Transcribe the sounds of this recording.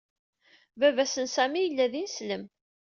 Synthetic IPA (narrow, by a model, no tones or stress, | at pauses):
vævæsənsæmijəlːæðinsləm